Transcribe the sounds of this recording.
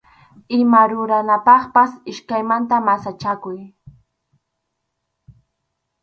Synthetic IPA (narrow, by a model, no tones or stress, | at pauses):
ɪmaɾʊɾanapɑχpasɪʃkajmant̪amasat͡ʃakʊj